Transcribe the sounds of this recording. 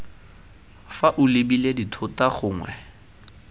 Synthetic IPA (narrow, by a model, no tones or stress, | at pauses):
faʔʊlebileditʰʊtaχʊːŋwɛ̰